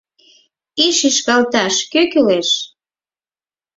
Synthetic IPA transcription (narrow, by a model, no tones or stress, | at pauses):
iʃiʃkɑlt̪ɑʃkøkyleʃ